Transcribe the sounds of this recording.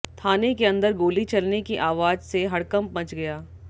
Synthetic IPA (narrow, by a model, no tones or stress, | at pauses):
t̪ʰaːnekeɐ̃nd̪əɾɡoːlit͡ʃɐlnekiʔaːʋaːd͡ʒseɦɐɽkɐ̃mp̚bɐ̃t͡ʃɡɐjaː